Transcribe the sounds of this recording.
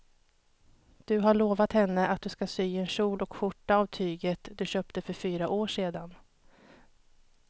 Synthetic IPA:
d̪̥ɵɦaɭoːvat̪hɛnːəʔat̪̚d̪ɵskasyːɛnɕuːlɔkɧʊʈːaavt̪ʰyːɡət̪d̪ɵɕøːpt̪əfœɾfyːɾaʔoːʂeːd̪an

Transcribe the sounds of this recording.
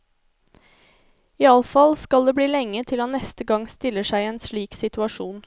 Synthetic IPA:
iːɑlfɑlskɑld̪eːbliːlɛŋːət̪ʰɪlhɑnːɛst̪əɡɑŋst̪ɪlːəʂæɪɛːnsɭiːksɪt̪ʉɑʂuːn

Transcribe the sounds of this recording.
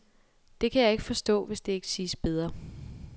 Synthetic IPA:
d̥e̝kʰæjɑ̈e̝ɡ̥əfɒ̽sd̥ɔ̰̽ːʋe̝sd̥e̝e̝ɡ̥ə̥siːsb̥eð̞ˠʁɐ

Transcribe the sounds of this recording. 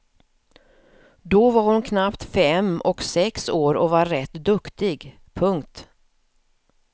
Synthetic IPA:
d̪ɔvaɾhʊnkʰnapt̪fɛmɔksɛksoːɾɔvaɾɾɛt̪d̪ɵkt̪ɪɡ | pʰɵŋkt̪

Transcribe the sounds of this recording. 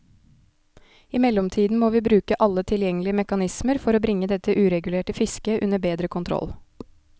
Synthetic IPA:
ɪmɛlːɔmt̪ʰiːd̪n̩moːʋiːbɾʉːkəʔɑlːət̪ʰɪljɛŋːəlɪəmɛkɑnɪsməɾfɔɾoːbɾɪŋːəd̪ɛt̪ːəʔʉːɾɛɡʉleːʈəfɪskəʔʉ̰nəbeːd̪ɾəkʰʊnt̪ʰɾɔ̰l

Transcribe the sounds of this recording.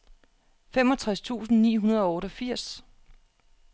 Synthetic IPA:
fem̰ɒ̽t͡sʰʁast͡sʰṵːsn̩nḭːɦunɐð̞ˠɒ̽ɔːɾəfiɐ̰s

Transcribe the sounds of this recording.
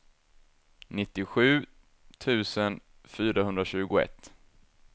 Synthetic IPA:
nɪt̪ːɪɧʉ̟ː | t̪ʰʉ̟ːsən | fyːɾahɵnd̪ɾaɕʉ̟ːɡʊɛ̰t̪ː

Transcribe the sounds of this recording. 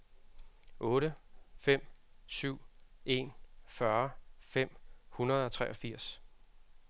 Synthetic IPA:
ʔɔ̽ːɾəfem̰syʊ̰e̝nfɶɐfem̰hunɐð̞̩ˠɒ̽t͡sʰʁɛʔɒ̽fiɐ̰s

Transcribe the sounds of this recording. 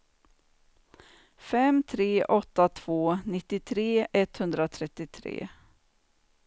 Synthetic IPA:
fɛmt̪ʰɾeːʔɔt̪ːat̪ʰv̥oːnɪt̪ːɪt̪ʰɾeːʔɛt̪hɵnd̪ɾat̪ʰɾɛt̪ːɪt̪ʰɾḛː

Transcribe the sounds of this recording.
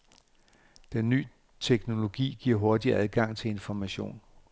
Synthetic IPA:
d̥enːy̰ː | t͡sʰeɡ̥no̝lo̝ɡ̥ḭːɡ̥iɐ̰ɦɔ̝ɐd̥iæð̞ˠɡ̥ɑ̈ŋ̰t͡sʰe̝le̝nfɒmæɕo̝̰ːn

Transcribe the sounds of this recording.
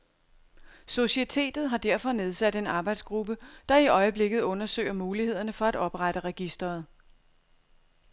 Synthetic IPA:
so̝ɕiet͡sʰe̝̰ːd̥ð̩ˠɦɑ̈d̥æɐ̰fɒ̽ne̝ð̞ˠsæd̥e̝nɑ̈ːb̥ɑ̈ɪd̥sɡ̥ʁub̥əd̥ɑ̈iʔɒ̽ɪəb̥le̝ɡ̥ð̩ˠɔ̽nɐsø̰ɪ̰ɐmuːlihe̝ð̞̰ˠɐnəfɒ̽æd̥ɒ̽b̥ʁaɾ̥əʁɛɡ̥isd̥ɐːð̞̩ˠ

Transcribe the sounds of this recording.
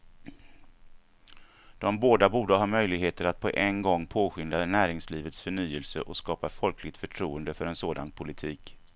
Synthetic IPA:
d̪̥ɔmboːd̪abuːɖəɦɑːmœjlɪɡɦeːt̪əɾat̪̚pʰɔ̰ʔɛnɡɔŋːpʰoːɧʏnd̪anæːɾɪŋsliːvət̪sfœɳyːəlsə̰ʔɔskɑːpafɔlkʰlɪɡ̚t̪fœʈʰɾuːənd̪əfœɾɛnsoːd̪a̰npʰʊlɪt̪ʰiːk

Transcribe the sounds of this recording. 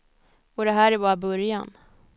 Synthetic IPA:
ɔd̪ɛɦæːɾæɾbɑːɾabɵɾjan

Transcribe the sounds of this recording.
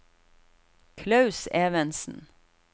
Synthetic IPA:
kʰlɑʉseːʋənsn̩

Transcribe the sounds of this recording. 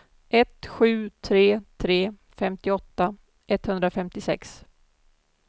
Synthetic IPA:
ʔɛt̪ɧʉ̟ːt̪ʰɾeːt̪ʰɾeː | fɛmt̪ɪɔt̪ːa | ʔɛt̪ːhɵnd̪ɾafɛmt̪ɪsɛ̰ks

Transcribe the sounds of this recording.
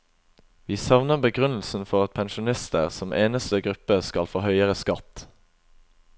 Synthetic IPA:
ʋiːsɑʋnəbəɡʁʉnl̩sn̩fɔʁɑt̪̚pʰɛnʃʊnɪst̪ə̰ʁsɔmʔeːnəst̪əɡʁʉpəskɑlfoːhœʏəʁəskɑt̪

